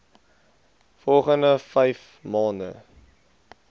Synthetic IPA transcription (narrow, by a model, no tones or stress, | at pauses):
fɔlˠχəndəfɛjf | mɑːndə̰